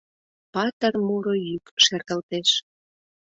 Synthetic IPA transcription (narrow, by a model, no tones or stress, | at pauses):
pɑt̪ərmuɾojykʃert̪ə̆lt̪eʃ